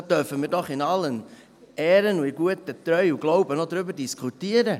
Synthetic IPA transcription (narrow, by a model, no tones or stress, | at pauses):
d̥œfəmiːɾdɔχɪnɑlːən | ɛːɾənuɪɡuətətɾœʏuɡ̥loʊbənodɾʏbəɾdiskʰχutiəɾə